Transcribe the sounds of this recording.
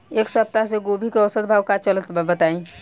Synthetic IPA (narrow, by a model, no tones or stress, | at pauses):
eːksəp̚t̪as̬eɡobʱikeɔsət̪̚bʱaːʋkat͡ʃələt̪bbət̪aːĩ